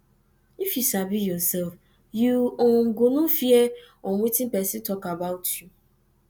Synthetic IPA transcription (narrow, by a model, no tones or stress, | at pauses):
ifjusabijɔsɛlf | juoŋ̩ɡonũfieoŋʷetĩn̩pɛsitɔkabaʊtʰju